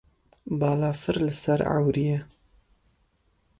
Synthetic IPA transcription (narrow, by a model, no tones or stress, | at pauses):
bɑːlɑːfɨɾlɨsaɾa̰wɾijɛ